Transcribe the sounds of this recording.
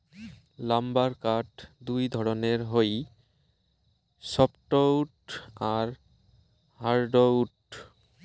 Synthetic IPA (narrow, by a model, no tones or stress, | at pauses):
lambaɾkaʈd̪ujd̪ʱɔɾoneɾɦoj | sɔpʈowʈaɾ | haɾɖowʈ